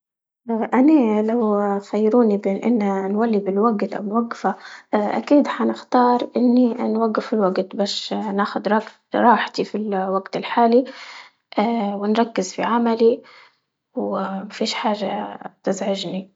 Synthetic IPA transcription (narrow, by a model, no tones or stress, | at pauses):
ʔʔanalawxajːɾuːnibeːnʔɪ̰nːanwalːibɪlwaɡt̪ʔa̰wɪnwaɡfaʔa̰kiːd̪ħanɪxt̪ɑːɾˤʔɪnːinwaɡːɪfɪlwaɡt̪baːʃnaːxʊd̪ɾˤɑɡtɾˤɑːħt̪ifilwaɡt̪ɪlħaːli | ʔwɪnɾˤɑkːɪzfḭʕamali | wmafiːʃħaːʒat̪ɪzʕɪʒni